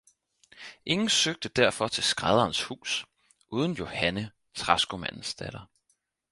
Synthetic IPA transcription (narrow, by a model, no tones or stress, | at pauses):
ʔe̝ŋn̩søɡ̥̚d̥əd̥æɐfɒ̽t͡sʰe̝lsɡ̥ʁað̞ˠɐːnshṵːs | ʔuːð̞ˠn̩jo̝hænə | t͡sʰʁɑsɡ̥o̝mæ̰n̰n̩sd̥æɾ̥ɐ